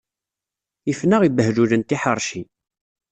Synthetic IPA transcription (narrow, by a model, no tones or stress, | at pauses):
ifnəʁibəɦɾulənt̪iħəɾˤʃi